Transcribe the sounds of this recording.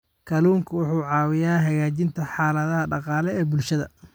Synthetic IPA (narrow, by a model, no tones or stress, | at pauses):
kʰɐluːŋkʰɐwʊħuːʕɑːwɪjaːɦɐɣaːt͡ʃɪnt̪ʰɐħɑːlɐðɐɦɐɖɑqɑːlɛɛːbʊlʃɐðɐ